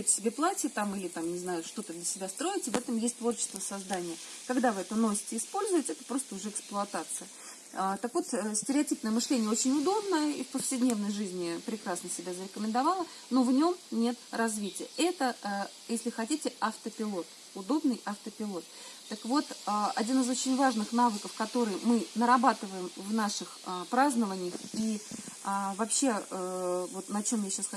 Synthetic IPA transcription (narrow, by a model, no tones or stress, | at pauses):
t̪ʲsʲɪbʲeplˠatʲɪt̪amilʲɪt̪amnʲɪznajʊʂt̪o̞t̪əd̪lʲəsʲɪbʲast̪ɾo̞ɪtʲɪvɛt̪əmjesʲt̚ʲt̪vo̞rt͡ɕɪ̥st̪vəsɐzd̪anʲɪjə | kɐɡd̪avɨɛt̪əno̞sʲɪ̥tʲɪːspo̞lʲzʊjɪtʲɪɛt̪ə̥pɾo̞st̪əʊʐɛɛɪksplˠʊɐt̪at̪sɨjə | ət̪əkvo̞t̪sʲtʲɪɾʲɪɐtʲipnəjəmɨʂlʲenʲɪəot͡ɕɪnʲʊd̪o̞bnəḭfpəfsʲɪdʲnʲe̞vnəjʐɨzʲnʲɪpɾʲɪkɾasnəsʲɪbʲazəɾʲɪkəmʲɪnd̪ɐvalˠə | no̞vnʲo̞mnʲe̞t̪rɐzvʲitʲɪjəɛt̪ə | jesʲlʲɪxɐtʲitʲɪɐft̪əpʲɪlˠo̞t̪ | ʊd̪o̞bnɨjɐft̪əpʲɪlˠo̞t̪ː | əkvo̞t̪əɐdʲinɨzo̞t͡ɕɪnʲvaʐnɨxn̪avɨkəfkɐt̪o̞ɾɨjmɨnəɾɐbat̪ɨvəjɪmvnaʂɨxpɾaznəvənʲɪjəxiəvɐpɕːe̞ | vo̞t̪nɐt͡ɕo̞mjaɕːasx